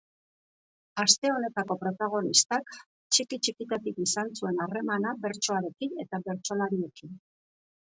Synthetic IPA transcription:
ast̪e̞o̞ne̞t̪ako̞pɾo̞t̪aɣ̞o̞nist̪ak | t͡ʃikit͡ʃikit̪at̪ikisansue̞nare̞manabe̞ɾt͡ʃo̞aɾe̞kine̞t̪aβe̞ɾt͡ʃo̞laɾie̞kin

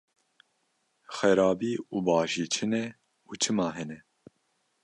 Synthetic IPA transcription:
xɛɾɑːbiːuːbɑːʒiːt͡ʃʰɨnɛ | uːt͡ʃʰɨmɑːɦɛnɛ

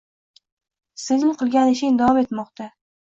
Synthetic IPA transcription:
sɪzɪmqʰɨlˠɡʲanɪʃɪd̪avɒme̞t̪mɒqt̪a

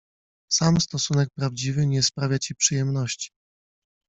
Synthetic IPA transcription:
samst̪ɔsunɛk̚pɾavd͡ʑivɘɲɛspɾavʲjat͡ɕipʂɘjɛmnɔɕt͡ɕi̥

